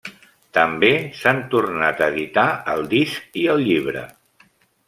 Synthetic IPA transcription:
t̪əmbesant̪urnat̪əːðit̪aəlˠd̪isk̚iəlˠʎiβ̞ɾə̰

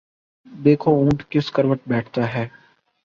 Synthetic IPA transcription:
d̪eːkʰoũːʈkɪskəɾʋəʈ̚bɛːʈʰt̪aɦɛː

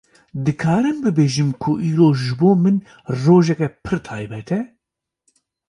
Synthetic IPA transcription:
d̪ɨkʰaːɾɨnbɨbeːʒɨmkʰʊʔiːɾoːʒɨboːmɨn | roːʒɛkɛpʰɨɾt̪ʰɑːjbɛt̪ʰɛ

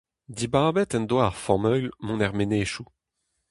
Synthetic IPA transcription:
d̪ibaːbɛt̪ɛnd̪waːʁfɔmœɥlmɔ̃nɛʁmeneːʃu

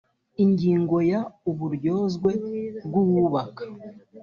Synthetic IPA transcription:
iɲɟiːŋɡo̞jauβuɾɟo̞ːzɡwe̞bɡuβuːβakḁ

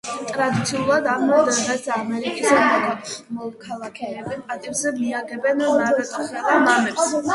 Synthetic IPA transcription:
t̪ʼɾad̪it̪sʰiuulˠad̪aɾmɔd̪ɛʁɛsːmɛɾikʼisɔkamɔkʰalˠakʰɛbipʼat̪ʼibzɛmiaɡɛbɛnasd̪amamɛ

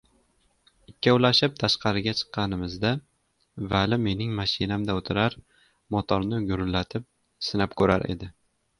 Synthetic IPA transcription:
ɪkʲːawlaʃɪp̚t̪ʰaʃqɑɾɪɡʲat͡ʃʰɨ̥qːɑnɪmɪzd̪a | valɪme̞nɪŋmaʃɪnamd̪aot̪ʰɪɾaɾ | mɒt̪ʰɒɾnɪɡʊɾʊlːat̪ʰɪp̚ | sɪnapkʰɵɾa̰ɾʔe̞̰d̪ɪ

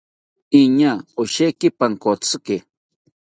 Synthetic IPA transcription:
iɲaoʃekipaŋkot͡sɨke

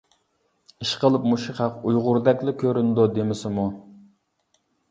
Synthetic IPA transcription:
iʃqəlˠɨp̚muʃiχɑqujʁʊɾd̪ɛkʲlɪkʲʰøɾynd̪ud̪emɪsɪmu

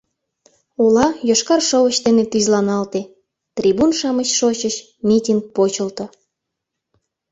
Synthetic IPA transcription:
ulɑjoʃkɑrʃowəɕd̪enet̪yzlɑnɑlt̪e | t̪rʲibunʃɑməɕʃot͡ɕəɕ | mʲitʲink̚pot͡ɕəlt̪ŏ

